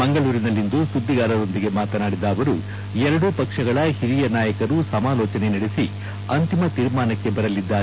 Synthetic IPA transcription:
mɐŋɡɐɭuːɾinɐlːind̪usud̪ʱːiɡaːɾɐd̪o̞nd̪iɡe̞maːt̪ɐnaːɽid̪aːʋɐɾu | ɛɾɐɽupɐkʂɐɡɐɭɐhiɾijɐnaːjɐkɐɾusɐmaːlɔːt͡ʃɐnenɐɽesi | ɐnt̪imɐt̪iːɾmaːnɐkːe̞bɐɾɐlid̪ːaːɾe

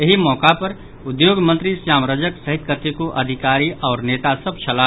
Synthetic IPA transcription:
jeɦimɔːkapɐɾ | ʊd̪joːɡmə̃nt̪ɾisjaːmɾəd͡ʒəksəɦit̪kət̪ikoʔɐd̪ʱɪkaːɾiʔɔːɾneːt̪asəb̚ʱt͡ʃʰɐla

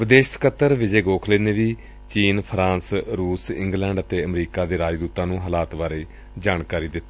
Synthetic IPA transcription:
ʋɪd̪eːʃt̪kət̪ːəɾʋɪd͡ʒeːɡoːkʰleːneːʋiː | t͡ʃiːnpʰɾãːnsɾuːsɪ̰̃ŋɡlɛ̃ːɳɖət̪eːəmɾiːkaːd̪eːɾaːd͡ʒd̪uːt̪ːãːnũːɦəːlaːt̪baːɾeː | d͡ʒaːɽkaːɾiːd̪ɪt̪ː

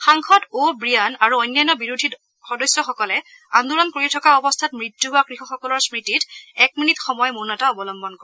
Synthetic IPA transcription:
xaŋkʰɔtobɹijanaɹuɔjnːajnɔbiɹudʱi | xɔdɔjsːjɔxɔkɔlɛ | and̪uɹɔnkoɹitʰɔkaɔbɔstʰatmɹitjubakɹixɔxɔkɔlɔɹsmɹititɛk̚minitxɔmɔjmunɔtaɔbɔlɔmbɔnkɔɹɛ

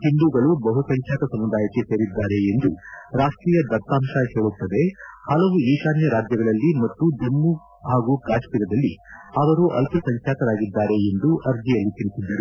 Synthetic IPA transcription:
hiɳɖ̪uːɡɐɭubɐɦusɐŋkʰjaːt̪ɐsɐmːud̪aːjɐkːese̞ːɾid̪ːaːɾe̞end̪uɾaːʂʈɾiːjɐd̪ɐɾ̚t̪aːmʃɐheːɭut̪ːɐd̪e̞hɐlɐʋuiːʃaːnjɐɾaːd͡ʒjɐɡɐɭɐlːimɐt̪ːud̪emːu | haːɡukaːʂkiɾɐd̪ɐlːihaːʋɐɾuʔɐ̰lpʰusɐŋkʰjaːt̪ɐɾaːɡid̪ːaːɾe̞end̪uʔɐɾd̪ijɐlːit̪iɭisid̪ːɐɾu

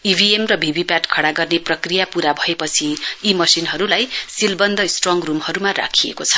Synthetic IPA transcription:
ibʱiemrʌbʱibʱipaʈkʰʌɽaɡʌrneprʌkrijapuɾabʱʌepʌt͡sʰiːmʌsinɦʌɾulajsilbʌnd̪ʱʌsʈroŋrumhʌɾumara̰kʰiḛkot͡sʰʌ̥

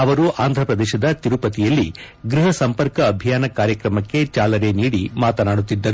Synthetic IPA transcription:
ɐʋɐɾuʔaːnd̪ʱɾɐpɾɐd̪ɛːʃɐd̪ɐt̪iɾupɐt̪ijɐlːi | ɡɾiɦɐsɐmpɐɾkɐːbʱijaːnɐkaːɾjɐkɾɐmɐkːe̞t͡ʃaːlɐɾeniːɽimaːt̪ɐnaːɽut̪ːid̪ːɐɾ

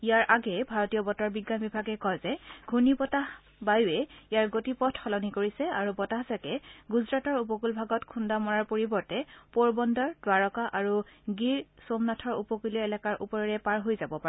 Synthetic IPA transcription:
ijaɹʔaɡɛbʱaɹɔtijɔbɔtɔɹbiɡːanbibʱaɡɛkɔjzɛɡʱunibɔtah | bajuɛijaɹɡotipɔtʰxɔlɔnikoɹisɛaɹubɔtaɦzakɛɡuzɹatɔɹup̬ɔkulbʱaɡɔtkʰundamɔɹaɹpoɹibɔɹtɛpoɹbɔndɔɹd̥waɹɔkaʔaɹuɡiɹsomnatʰɔɹṵpɔkuliɔɛlakaɹʔupɔɹɔɹɛpaɹɦojzabɔpaɛ

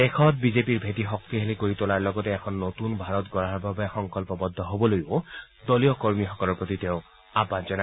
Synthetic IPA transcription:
ekʰɔt̪̚bizepiɹbʱetixɔk̚t̪iɦelekoɹit̪olaɹlɔɡɔtɛːkʰɔnːot̪unbʱaɹɔt̪ɡɔɹaaɹbʱabɛxɔŋkɔlpɔbɔd̪ʱːɔɦobɔlojo | d̪olijɔkoɹmixɔkɔlɔɹpɹot̪it̪eʊ̃ | abazɔna

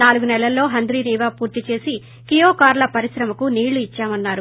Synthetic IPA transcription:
naːluɡunɛlɐlːo̞ːɦɐnd̪ɾiːniːʋaːpuːɾt̪it͡ʃe̞ːsi | kijoːkaːɾlɐpɐɾisɾɐmɐkuniːɭːuit͡ʃːaːmɐnːaːɾu

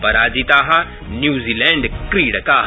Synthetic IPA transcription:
pɐɾaːd͡ʒit̪aːɦa | njuːziːlɛ̃ːɳɖkɾiːɽkaː

